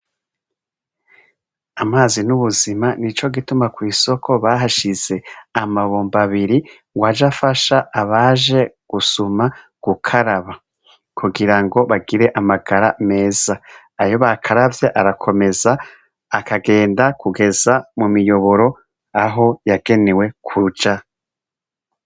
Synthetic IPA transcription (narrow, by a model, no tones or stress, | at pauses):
amaːzinuβuzimanit͡ʃo̞ɡitumakwiːso̞kʰo̞βaːɦaʃize̞amaβoːmbaβiɾi | ŋɡwad͡ʒafaʃaaβaʒe̞ɡ̥usuma | ɡ̥ukʰaɾaβa | kʰuɡiɾaŋɡo̞βaɡiɾe̞ʔamaɡaɾame̞ːz̥aː | jo̞βakʰaɾavjeʔaɾakʰo̞me̞zaː | kʰaɡe̞ːndakʰuɡe̞zamumijo̞βo̞ɾo̞ | aɦo̞jaɡ̥e̞newe̞kʰud͡ʒa